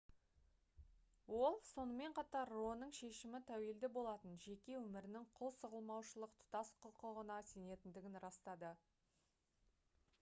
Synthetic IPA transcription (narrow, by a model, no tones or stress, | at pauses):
wo̞lˠso̞nəme̞ɴqʰɑt̪ɑɾːonəɴʃe̞ʃɪmɪt̪ʰæweld̪ɪbo̞lˠɑt̪ənʒe̞kʲe̞wɵmɪɾɪnɪŋqʰolˠsəʁəlˠmɑwʃəlˠəqt̪ʰʊ̥t̪ɑsqʰʊqəʁənɑse̞ne̞t̪ɪnd̪ɪɡʲɪnɾɑst̪ɑd̪ə